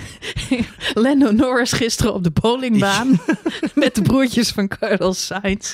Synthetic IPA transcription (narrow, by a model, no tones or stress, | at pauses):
lɛnonɔɹɪsχɪstərəɔ̰b̚dəbowlɪŋbaːnmɛt̚dəbruəcəsfɑnkʰɑɹnəl̩ˠsajns